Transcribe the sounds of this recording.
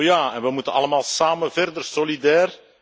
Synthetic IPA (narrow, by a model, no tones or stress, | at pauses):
jaːɛnʋəmutənɑ̰ləmaːlˠsaːmənvɛrdərsolidɛːr